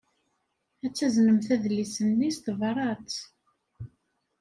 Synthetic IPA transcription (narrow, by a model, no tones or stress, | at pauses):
æt͡sːæznəmθæðlːisənːist̪vɾˤɑt͡s